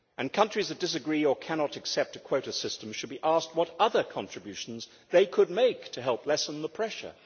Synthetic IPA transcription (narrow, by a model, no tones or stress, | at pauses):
ʔɨ̃nkʰʌ̃nt͡ʃɹ̥izðɨt̚d̥ɨs̬ɨɡɹiə˞kʰænɑɾɨksɛp̚tɨkʰw̥oʊɾɨsɪstə̃m̩ʃɨd̚biʔæst̚wʌɾʌðə˞kʰɑ̃ntɹ̥ɨbjʉʃn̩z | ðeɪkʰəd̚meɪktʰɨɦɛlˠplɛsə̃n̩ðəpʰɹ̥ɛʃə̰˞